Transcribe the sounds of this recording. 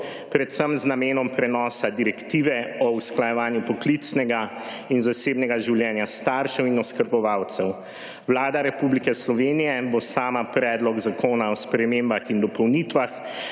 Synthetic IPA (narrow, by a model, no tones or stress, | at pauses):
pɾɛt̪səmznameːnɔmpɾɛnɔːsad̪iɾɛkt̪iːʋɛɔusklajɛʋaːnjupɔklit̪snɛɡa | inzaseːbnɛɡaʒiwljɛːnjast̪aɾʃɛwinɔskəɾbɔʋawt̪sɛw | wlaːd̪aɾɛpublikɛslɔʋeːnijɛbosaːmapɾɛːd̪lɔɡzakoːnaɔspɾɛmembaxind̪ɔpɔwnit̪ʋax